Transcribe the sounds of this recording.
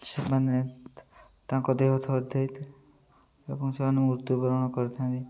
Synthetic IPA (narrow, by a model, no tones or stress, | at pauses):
semane | t̪ãkɔd̪eɦɔt̪ʰɔɾt̪ʰajt̪ʰ | ebɔŋsemanemuɾt̪jubɔɾɔɽ̃ɔkɔɾt̪ʰãnt̪i